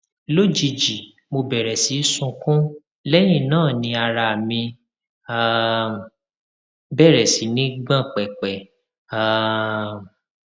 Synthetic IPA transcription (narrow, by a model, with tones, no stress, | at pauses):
lo˦˨d͡ʒi˧d͡ʒi˨ | mo˧bɛ˨ɾɛ˨si˨˦sũ˧kũ˦ | lɛ˦j̃ĩ˦˨nãː˦˨nĩ˧a˧ɾa˧˨a˨mĩ˧ | a˨ | bɛ˦˨ɾɛ˨si˨˦nĩ˦ɡ͡bã˦˨k͡pɛ˨k͡pɛ˨ | a˨